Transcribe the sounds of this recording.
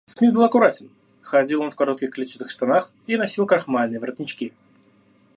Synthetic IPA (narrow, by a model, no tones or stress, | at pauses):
smʲibɨlˠɐkʊɾatʲɪn | xɐdʲilˠo̞nfkɐɾo̞t̪kʲɪxklʲit͡ɕɪt̪ɨxst̪ɐnax | inɐsʲilˠkɾɐxmalʲnɨjəvərt̪nʲɪt͡ɕkʲi